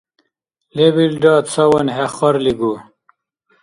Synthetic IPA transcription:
lebilɖaːt̪t͡sʰɐwɐnɦeχɐɾliɡu

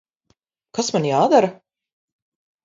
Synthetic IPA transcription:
kasmanjaːd̪aɾa

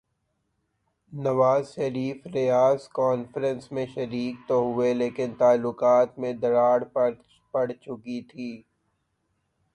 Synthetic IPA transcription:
nɐʋaːzʃɐɾiːfɾɪjaːzkɔːnfəɾə̃nsmẽʃɐɾiːk̚t̪oɦʊeleːkɪnt̪aːlːʊkaːt̪mẽd̪ɐɾaːɽp | pɐɽt͡ʃʊkit̪ʰiː

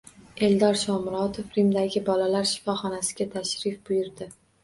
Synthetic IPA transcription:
e̞ld̪ɒɾʃɒmɾɒt̪ʰofɾɪmd̪aɡʲɪbɒlalaɾʃɪ̥fɒχɒnasɪ̥ɡʲat̪ʰaʃɾɪfbʊjʊɾd̪ɪ

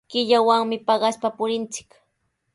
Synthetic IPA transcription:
kɪʎawaŋmɪpɑɢɑspapʊɾɪnt͡sɪ̥k

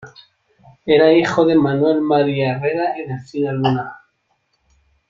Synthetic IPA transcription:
eɾaixoðe̞manwelmaɾiaereɾaeneθiðaluna

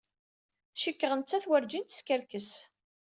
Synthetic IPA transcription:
ʃəkːəʁənt͡sːæθwəɾd͡ʒint̪ə̥skəɾkəs

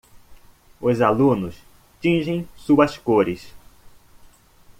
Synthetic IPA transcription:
ʊzalũnʊs | t͡ʃĩʒẽj̃suɐskoɾɪs

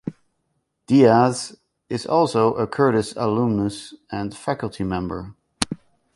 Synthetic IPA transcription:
d̥iaz | ɪzɔlˠsoʊʔəkʰɜ˞ɾɨsəlũmnəsɨ̃nfæklˠtʰimɛ̃mbə̰˞

